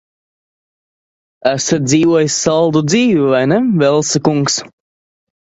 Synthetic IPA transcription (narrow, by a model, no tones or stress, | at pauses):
æsat̪̚d̪ziːvuɔjisʲːalˠd̪ud̪ziːvivajnevɛlˠsɨkuŋks